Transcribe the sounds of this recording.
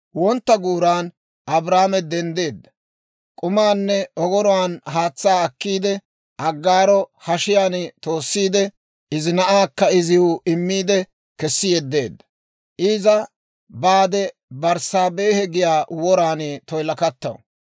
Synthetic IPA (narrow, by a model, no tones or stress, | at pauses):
wɔnt̪ːɐɡuːɾaːn | ʔɐbɾaːmɛd̪ɛnd̪e̞ːd̪ːɐ | kʼʊmaːnːɛɔɡɔɾɔwaːnɦaːt͡sːaːɐkːiːd̪ɛ | ʔɐɡːaːɾɔhɐʃɪjaːnt̪o̞ːsːiːd̪ɛ | ʔɪzɪnɐʔaːkːɐɪzɪjʊʔɪmːiːd̪ɛ | kɛsːɪjɛd̪ːe̞̰ːd̪ːɐ̥ | ʔɪːzɐ | baːd̪ɛ | bɐɾsaːbe̞ːhɛɡɪjaːwɔɾaːnɪt̪ɔjlɐkɐt̪ːɐwɔ̰